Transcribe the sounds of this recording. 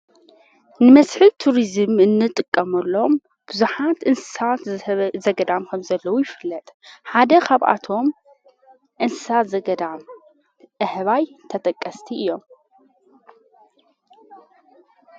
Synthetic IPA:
nɨmɐsħit̪ʰuɾizɨmɨnːɨt̪ʼɨkʼːɐmɐlːo̞m | b̥ɨzuħat̪ʔɨnsɨsat̪zɐɡɐd̪amkʰɐmzɐlːɐwujɪfɨlːɐt̪ʼħad̪ɐkʰaβʔa̰t̪ʰo̞m | ʔɨnsɨ̥sat̪za | ʔɨhβajt̪ʰɐt̪ʼɐkʼːɐst̪ʰiɨjːo̞m

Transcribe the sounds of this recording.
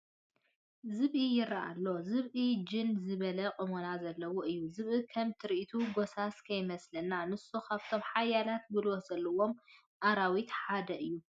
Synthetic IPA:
zɨβʔijɪɾaʔa̰lːozɨβʔid͡ʒɨnzɨβɐlɐqʼɨmonazɐlːɐwoʔɨjːuzɨβʔɨkʰɐmt̪ʰɨɾʔit̪ʰuɡosaskʰɐjmɐslɐnːanɨsukʰaβt̪ʰo̞mħajalat̪̚bɨlozɐlːɐwo̞m | ʔaɾawit̪ħad̪ɐʔɨjːu

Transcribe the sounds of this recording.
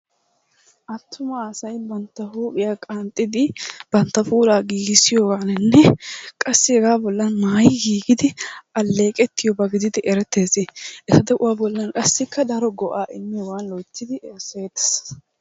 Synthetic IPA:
ʔɐt̪ʰːʊmɐːsɐjbɐnt̪ːɐhuːpʼɪjaːkʼaːnt̪ʼːɪd̪ɪb̥ɐnt̪ːɐfuːlaːɡiːɡɪsɪjoːɡaːnɛnːɛkʼɐsːɪɛɡaːbɔlːɐnmaːjɪɡiːɡɪd̪ɪʔɐlːe̞ːkʼɛt̪ːɪjɔbɐɡɪd̪ɪd̪ɪʔɛɾɛt̪ːe̞ːzɪʔɛt̪ɐd̪ɛʔʊwaːbɔlːɐnkʼɐsːɪkːɐd̪ɐɾɔɡɔʔaːʔɪnːɪjwaːnloːt͡ʃːɪd̪ɪʔɛse̞ːd̪ɐ̥s

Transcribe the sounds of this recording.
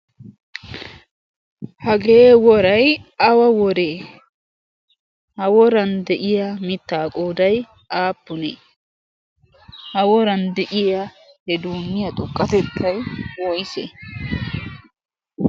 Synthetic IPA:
hɐɡeːwɔɾɐjɐwɐwɔɾeː | hɐwɔɾɐnd̪ɛʔɪjamɪt̪ːaːkʼoːd̪ɐj | ʔaːpːʊneː | hɐwɔɾɐnd̪ɛʔɪja | hɛd̪uːnːɪjɐt̪ʼʊkʼːɐt̪ɛt̪ʰːɐjwɔjsḛ

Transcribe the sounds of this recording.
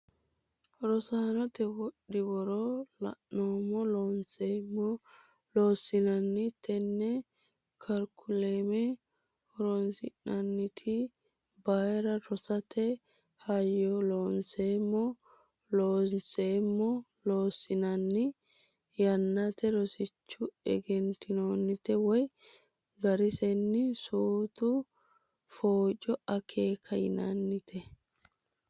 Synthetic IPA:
ɾɔsaːnɔt̪ɛwɔɗːɪwɔɾɔlɐ̰noːmːɔlonsemɔ | loːsɪnɐnːɪt̪ʰɛnːɛ | kʰɐɾkʰːʊlemɛ | ɔɾɔnsɪ̰nɐnːɪt̪ʰɪ | bɐjɾɐɾɔsɐt̪ʰɛ | hɐjːɔloːnseːmːɔ | loːnseːmːɔ | loːsɪnɐnːɪ | jɐnːɐt̪ɛɾɔsɪt͡ʃːʊɛ̰ɡɛnt̪ɪnoːnːɪt̪ɛwɔj | ɡɐɾɪsɛnːɪsuːt̪ʊ | foːt͡ʃʼɔɐkʰeːkʰɐjɪ̰nɐnːɪt̪ʰɛ

